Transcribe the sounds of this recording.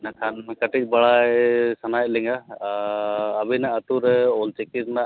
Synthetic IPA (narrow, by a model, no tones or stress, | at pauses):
nakʰankəʈic̚ˀbaɽajsanajt̚lɛŋɡa | binaʔət̪uɾɛɔlt͡ʃɛkiɾna